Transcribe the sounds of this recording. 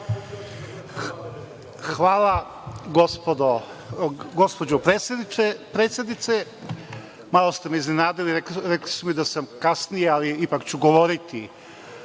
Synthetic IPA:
xʋaːlˠa | ɡospod̪o | ɡospod͡ʑopɾespɾet̪sjed̪nit̪se | malˠost̪emeiznenaːd̪iliɾeɾekli̥sumid̪asamkasnijealiipakt͡ɕuɡo̞ʋo̞ɾit̪i

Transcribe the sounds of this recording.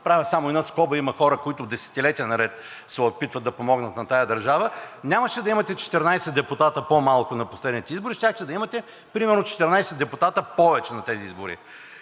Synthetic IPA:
pɾavʲəsamʊɛd̪askɔbəimɐxɔɾəkoit̪ʊd̪ɛsɛ̥t̪ilɛt̪iənɐɾɛt̪ | sɛopit̪vət̪ːɐpomɔɡnət̪nɐt̪ajɐd̪ɐɾʒavənʲaməʃɛd̪ɐimɐt̪ɛt͡ʃɛ̥t̪ɛɾnajsɛd̪ɛpʊt̪at̪əpomalˠkʊnɐposlɛd̪nit̪ɛizbʊɾiʃt̪ʲaxt̪ɛd̪ɐimɐt̪ɛ | pɾimɛɾnot͡ʃɛ̥t̪ɛɾnajsɛd̪ɛpʊt̪at̪əpɔvɛt͡ʃɛnɐt̪ɛziizbʊɾḭ

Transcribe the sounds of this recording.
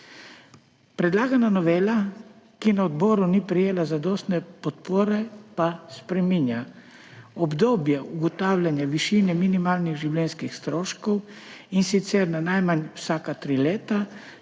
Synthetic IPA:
pɾɛd̪laːɡananɔʋeːla | kinaɔd̪boːɾunipɾijeːlazad̪oːst̪nɛpɔt̪̚poːɾɛpaspɾɛminja | ɔbd̪oːbjɛuɡɔt̪aːwlʲjanjaʋiʃiːnɛminimaːlniɣʒiwlɛnskixst̪ɾoːʃkɔwinsit̪sɛɾnanajmanwsaːkat̪ɾileːt̪a

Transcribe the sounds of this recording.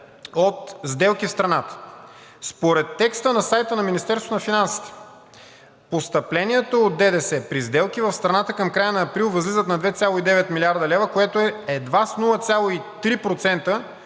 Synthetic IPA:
ot̪zd̪ɛlˠkifst̪ɾɐnat̪ə̥ | spoɾɛt̪ːɛkst̪ənɐsajt̪ənɐminist̪ɛɾst̪vot̪onɐfinansi̥t̪ɛ̥ | post̪ɐplɛniɛt̪oːd̪̚d̪ɛd̪ɛsɛpɾizd̪ɛlˠkivɐfst̪ɾɐnat̪əkɐmkɾajənɐːpɾilˠvɐzlizət̪nɐd̪vɛt̪sʲalˠoid̪ɛvɛt̪miliaɾd̪ɐlɛvəkoɛt̪oɛɛd̪vasnulˠət̪sʲjalˠoit̪ɾipɾot̪sɛnt̪ə

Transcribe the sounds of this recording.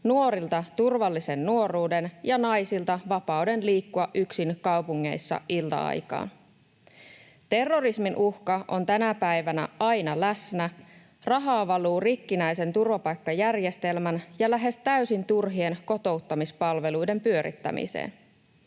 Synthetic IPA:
nuo̞ɾilt̪ɑt̪urʋɑlːise̞nːuo̞rˑuːde̞njɑnɑjsilt̪ɑʋɑpɑude̞nliːkːuɑʔyksinkɑwpuŋːe̞̰jsːɑ̰ʔilt̪ɑ̰ɑ̰jkɑ̰ːn | t̪e̞rːo̞risminʔuhkɑʔont̪ænæpæjʋænæ̰ɑjnɑlæsnæ | rɑɦɑːʋɑluːrikːinæjse̞nt̪urʋɑpɑjkːɑjærje̞st̪e̞lmænjɑlæɦe̞st̪æysint̪urɦie̞nko̞t̪o̞wt̪ːɑmispɑlʋe̞lujde̞mpyø̞ɾḭt̪ːæ̰mḭsḛːn

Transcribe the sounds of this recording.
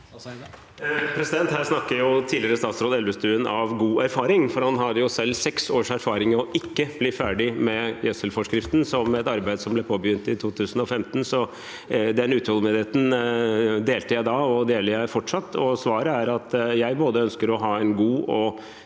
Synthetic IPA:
pʰɾɛsɪd̪ɛnt̪hæːɾsnɑkːəjʊt̪ʰiːlɪəɾəst̪ɑːt̪sɾoːd̪ɛlʋəst̪ʉːənʔɑʋɡuːæɾfɑːɾɪŋfɔɾhɑnɦɑɾjʊsɛlːsɛksoːʂæɾfɑːɾɪŋɔʔɪkːəb̥lɪfæːɖɪmɛjɛsəlfɔʂkɾɪft̪n̩sɔmɛt̪ɑɾbæɪd̪əsɔmblɛpʰoːbəjʏnt̪ɪt̪ʰuːt̪ʰʉːsən̩ɔfɛmt̪ən̩sɔ | d̪ɛnʉːt̪hɔlmeːd̪ɪheːt̪n̩ | d̪eːlt̪əjæɪd̪ɑɔd̪eːləɾjæɪfɔʈʂɑt̪ːɔsʋɑːɾəæɾɑt̪jæɪboːd̪əœnskəɾɔɦɑːɛnɡuːɔ

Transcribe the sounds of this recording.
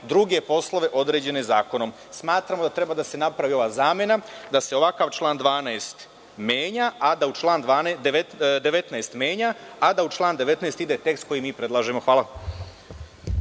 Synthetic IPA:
d̪ɾuɡe̞po̞slˠo̞ʋe̞ʔo̞d̪ɾe̞ːd͡ʑe̞ne̞zaːkono̞m | smaːt̪ɾamod̪at̪ɾe̞bad̪ase̞napɾaʋio̞ʋaːzaːme̞nad̪ase̞o̞ʋakaːʋt͡ʃlˠaːnd̪ʋaːnaest̪ | mjeːɲaʔad̪aut͡ʃlˠaːnd̪ʋaːnd̪ed̪e̞ʋe̞t̪naest̪mjeːɲaad̪aut͡ʃlˠaːnd̪eʋe̞t̪naːst̪id̪e̞t̪e̞kst̪̚ko̞jimiːpɾe̞d̪lˠaːʒemo̞xʋaːlˠa

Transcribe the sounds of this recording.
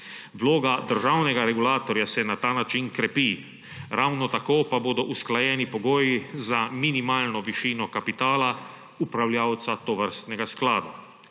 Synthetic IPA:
ʋloːɡad̪əɾʒawnɛɡaɾɛɡulaːt̪ɔɾjasɛnat̪aːnat͡ʃinkɾɛpi | ɾawnɔt̪akoːpaboːd̪ɔʔusklajɛːnipɔɡoːjizaminimaːlnɔʋiʃiːnɔkapit̪aːla | upɾawljaːwt̪sat̪ɔʋəɾst̪nɛɡasklaːd̪a

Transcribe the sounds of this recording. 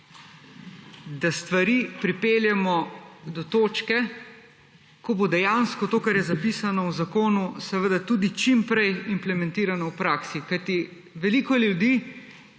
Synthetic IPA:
d̪ast̪ʋaɾiːpɾipeːljɛmɔd̪ɔt̪oːt͡ʃkɛ | kɔbod̪ɛjanskɔt̪oːkaɾjɛzapiːsanɔwzakoːnusɛʋəd̪at̪ud̪it͡ʃimpɾɛjimplɛmɛ̃nt̪iːɾanɔwpɾaːksikajt̪i | ʋɛliːkɔljud̪iː

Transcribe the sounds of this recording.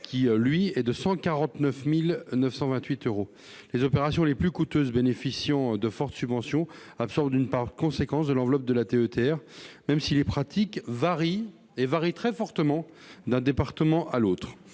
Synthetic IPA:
kʲilɥiɛd̪əsɑ̃kaʁɑ̃t̪nœfmilnəfsɑ̃vɛ̃t̪ɥit̪øʁo | lezɔpeʁasjɔ̃leplykut̪øzbenefisjɑ̃d̪əfɔʁt̪sybvɑ̃sjɔ̃ | apsɔʁbd̪ynpaʁkɔ̃sekɑ̃sd̪əlɑ̃vlɔp̚d̪əlat̪eøt̪eɛʁmɛmsilepχat̪ʰikvaʁi | evaʁit̪χɛfɔʁt̪əmɑ̃ | d̪ɛ̃d̪epaʁt̪əmɑ̃ʔalot̪χ

